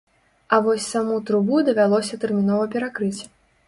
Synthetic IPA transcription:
ɐvɔsʲsamut̪ɾubud̪ɐvʲalˠɔsʲɐt̪ɛrmʲin̪ɔvɐpʲɛɾakɾɨt͡sʲ

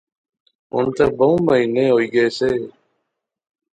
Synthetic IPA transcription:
ɦʊ̰nt̪əːbəũːməɦiːnẽːɦoːiːɡəeːseː

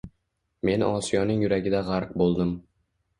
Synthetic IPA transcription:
me̞nʔɒ̰sijɒnɪŋjʊɾaɡʲɪd̪aʁaɾq̚bolˠd̪ɪm

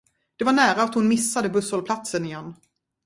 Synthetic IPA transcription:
d̪̥ɛvaɳæːɾaːt̪hʊnmɪsːad̪əbɵsɔlpʰlat̪sənɪjɛnː

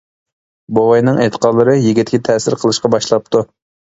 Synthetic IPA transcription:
bowɑjnɨŋet̪ʰə̥qʰɑd̪lˠɨɾɨjiɡʲit̪ʰːʲkʲɪt̪ʰɛsɪɾqʰəlˠɨʃqɑbɑʃlˠɑp̚t̪u

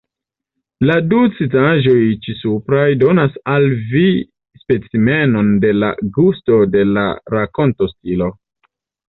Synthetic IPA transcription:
ladut͡sitaʒo̞jt͡ʃisupɾajdo̞nasalvi | spet͡sime̞no̞nde̞la̰ɡusto̞de̞la̰ɾako̞nto̞stilo̞

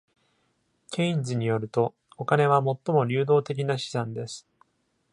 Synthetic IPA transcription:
kʲʰe̞ĩɲzɨɲ̟ijo̞ɾɯ̟t̪o̞ | okane̞β̞amo̞t̪ːo̞mo̞ɾʲɨːd̪o̞ːt̪e̞k̬ʲinaɕi̥zãnd̪e̞sɨ̥

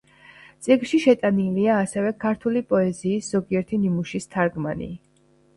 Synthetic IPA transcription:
t̪sʼiɡlʃiʃɛt̪ʼaniliaːsɛvɛkʰaɾt̪ʰulipʼɔɛziːsz̥ɔɡiɛɾt̪ʰinimuʃist̪ʰaɾɡma̰nḭ

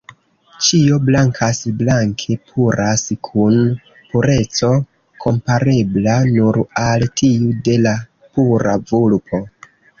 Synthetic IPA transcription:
t͡ʃio̞blaŋkʰasblaŋkʰe̞pʰuɾaskʰun | puɾe̞t͡so̞ | kʰo̞mpaɾe̞blanuɾaltʰiude̞la | puɾavulpʰo̞

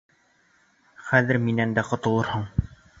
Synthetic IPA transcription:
χæðɘɾminænd̪æqŏt̪ɤ̆lˠɤɾhɤɴ

